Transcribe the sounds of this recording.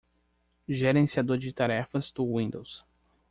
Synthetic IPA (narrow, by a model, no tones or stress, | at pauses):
ʒeɾẽsiad̪oɾd͡ʒɪt̪aɾɛfɐzd̪̥ʊwĩnd̪ows